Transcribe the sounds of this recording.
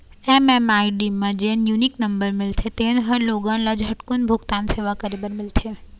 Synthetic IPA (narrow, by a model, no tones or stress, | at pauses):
emɛmaːiɖimẽd͡ʒeːnjunɪknɐmbəɾmɪlt̪ʰet̪eːnɦəɾloːɡãnlɐd͡ʒɦɐʈkʊnbʱʊɡt̪aːnseːʋakəɾibəɾmɪlt̪ʰeː